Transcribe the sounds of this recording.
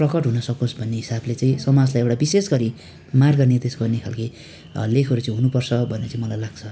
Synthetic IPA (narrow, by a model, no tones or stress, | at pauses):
prʌkʌʈɦunʌsʌkõsbʱʌnːeɦisablet͡saĩsʌmad͡zlajewʈabisesɡʌɾi | marɡʌnid̪esɡʌrnekʰa̰lki | lekʰʌɾut͡saĩɦunupʌrt͡sʰʌbʱʌneʌt͡saĩmʌlajlaɡ̥t͡sʰʌ